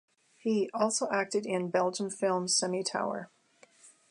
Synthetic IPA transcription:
hiʔɔlˠsoʊʔæk̚tɨɾɪ̃nbɛlˠd͡ʒə̃ɱfɪlˠmsɛmitʰa̰ʊə̰˞

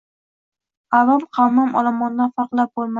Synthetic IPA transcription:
alˠɒmqʰɑwmamʔɒ̰lˠamɒnd̪afɑqlˠap̚bolˠma

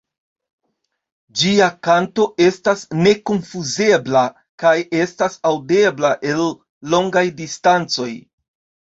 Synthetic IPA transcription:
d͡ʒiakanto̞ʔe̞stasne̞konfuze̞bla | kaje̞stasawde̞blaʔe̞lː | o̞ŋɡajdistant͡so̞j

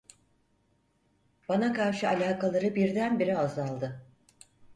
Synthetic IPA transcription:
b̥anakaɾʃɯalʲaːkalˠaɾɯbiɾd̪ænbiɾiazalˠd̪ɯ

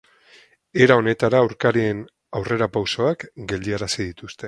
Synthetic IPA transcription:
e̞ɾao̞ne̞t̪aɾaːwɾkaɾien | awre̞ɾapawso̞akɡe̞ld̪ieɾasiðit̪ust̪e̞

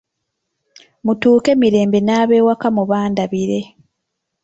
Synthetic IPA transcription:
mutuːke̞miɾe̞ːmbe̞naːβe̞ːwakamuβaːndaβiɾe̞

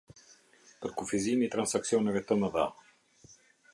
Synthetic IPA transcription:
pəɾkufizimit̪ɾansaksiɔnəvet̪əməða̰

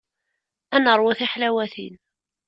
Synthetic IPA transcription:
ænəɾˤwæθiħlæwæθḭn

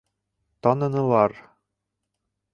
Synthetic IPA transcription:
t̪ɒnɤ̆nɤ̆lˠɑɾ

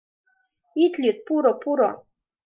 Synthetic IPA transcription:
it̪lʲit̪̚puɾɔpuɾɔ̰

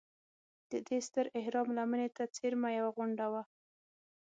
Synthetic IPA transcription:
d̪̥əd̪est̪əɾɪhɾɑmlamənet̪at͡seɾmajawaɣʊɳɖawa

